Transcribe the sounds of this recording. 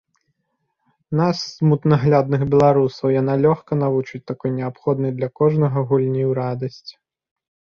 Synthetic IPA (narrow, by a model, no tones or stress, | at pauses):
nasːmut̪nɐɣlʲad̪nɨxbʲɛlˠaɾusɐwjanalʲɔxkɐnavut͡ʂɨt͡sʲt̪akɔjnʲɛapxɔd̪nɐjd̪lʲɐkɔʐnɐɣɐɣulʲnʲiwɾad̪ɐsʲt͡sʲ